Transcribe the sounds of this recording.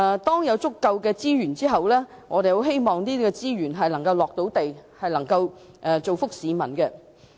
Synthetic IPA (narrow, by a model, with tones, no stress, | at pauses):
t̪ɔː˥ŋjɐ˨˧wt͡sʊ˥kːɐ˧wkɛː˧t͡siː˥jyː˨˩nt͡siː˥ɦɐ˨wlɛː˥ | ŋɔː˨˧t̪e˨jho˨˥wɦe˥jmɔː˨ŋt̪iː˥kɛː˧t͡siː˥ɥyː˨˩nɦɐ˨jlɐ˨˩ŋkɐ˧wlɔː˨k̚t̪o˨˥wt̪e˨jhɐ˨jlɐ˨˩ŋkɐ˧w | ʔɛ˨˧t͡so˨wfʊ˥k̚siː˨˧mɐ˨˩nkɛ˧